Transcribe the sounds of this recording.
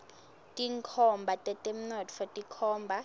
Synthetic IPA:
tʼiŋkʰɔmbʱatʼɛtʼɛm̩nɔtfɔtʼikʰɔːmbʱa

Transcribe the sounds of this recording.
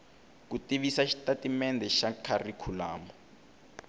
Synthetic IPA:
kutiɓisaʃi̥tatimɛndɛʃakʰarikʰulaːmɔ

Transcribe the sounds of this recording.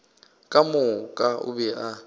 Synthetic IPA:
kʼamʊkʼaʊ̰bɛʔa

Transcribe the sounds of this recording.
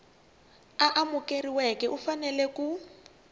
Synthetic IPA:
aʔamukeriwɛkɛʔufanɛlɛku

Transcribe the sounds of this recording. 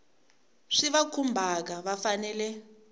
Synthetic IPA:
ʂiβakʰumbʱak̬aβafanɛːlɛ

